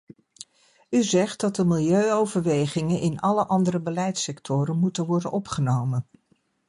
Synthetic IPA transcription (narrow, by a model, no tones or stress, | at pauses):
yzɛχtdɑt̚dəmɪlˠjøɥowvəɹʋejχɪŋənʔɪnɑləʔɑndəɾəbəlɛjtsɛktʰʊɾənmutənʋɔɹdənʔɔpχənowmən